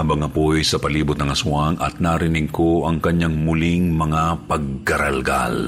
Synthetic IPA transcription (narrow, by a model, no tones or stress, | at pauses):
abɐŋɐpojsɐpɐliːbʊt̪̚nɐŋɐsʊaŋʔɐ̰t̪̚naɾɪnɪɡ̚kʰo̞ʔɐŋkɐɲːaŋmʊliŋmɐŋapɐɡ̚ːɐɾɐlɡa̰l